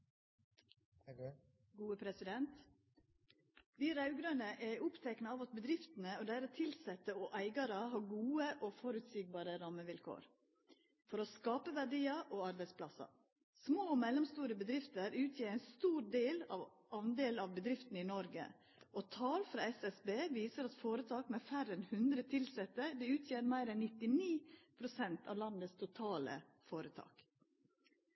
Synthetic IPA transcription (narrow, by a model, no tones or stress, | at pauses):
ɡuːəpʰɾɛsɪd̪ɛnt̪ | d̪iːɾɑʉɡɾɑnəʔɛʊpt̪ʰɛknəɑːʋɑt̪̚bəd̪ɾɪft̪ən̩əod̪æɾɑt̪ʰɪlsɛt̪ːəoʔæɪɡɑɾəɦɑːɡuːəʔoːfɔɾʉt̪siːɡ̚bɑːɾəɾɑməʋɪlkʰo̰ːɾ | fɔɾoːskɑːpəʋæɖiːɑʔoːɑɾbæɪspʰlɑsɑ̰ | smoːmɛlːɔmst̪uːɾəbəd̪ɾɪft̪əɾʉːt̪ʰjeːɾæɪnst̪uːɾɖeːlɑ̰ːʋ | ʔɑnd̪eːlɑʋbəd̪ɾɪft̪nəɪnɔɾɡə̰ | ʔot̪ʰɑːlfɾɑ̰ːɛsɛsbeːʋiːsəɾɑt̪foːɾət̪ʰɑːkmeːfæɾɛnhʉnd̪ɾət̪ʰɪlsɛt̪əd̪ɛʉːt̪ʰjeːɾmæɪɾɛnːɪt̪ɪniːpʰɾʊsɛnt̪ʰɑ̰ːʋlɑnd̪əst̪ʰʊt̪ʰɑːlə̰ | foːɾət̪ʰɑ̰ːk